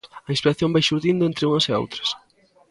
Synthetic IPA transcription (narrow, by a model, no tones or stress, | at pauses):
ɐinspiɾaθjõmbajʃuɾðind̪ʊẽnt̪ɾɪuŋɐseo̰wt̪ɾɐ̥s